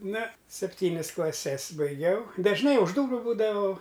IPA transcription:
ˈnɐ sʲɛpʲˈtʲiːnʲɪs klˠɐˈsʲɛs bɐɪˈɡʲɛʊ dɐʒˈnɐɪ ʊʃ ˈduːrʊ ˈbuːdɐʋɐʊ

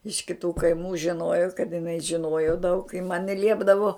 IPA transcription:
ɪʃ kʲɪˈtuː kɐɪˈmuː ʒʲɪˈnoːjoː kɐt jɪˈnɐɪ ʒʲɪˈnoːjoː dɐʊk ɪ mɐn jɪ ˈlʲiɛbdɐʋoː

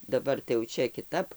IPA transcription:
dɐˈbɐr tɐɪ jɛʊ ˈt͡ʃʲɛ kʲɪˈtɐp

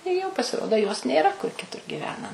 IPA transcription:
ɪ ˈjɛʊ pɐsʲɪˈroːdoː joːs nʲeːˈrɐ kʊr kʲɪˈtʊr ɡʲɪˈʋʲæːnɐ

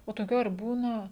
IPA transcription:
oː toːˈkʲuː ɐr ˈbuːnɐ

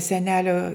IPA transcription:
sʲɛˈnʲæːlʲoː

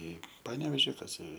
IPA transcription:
ˈiː ˈpɑːnʲɛʋʲeːʒʲɪ kɐs ɪ

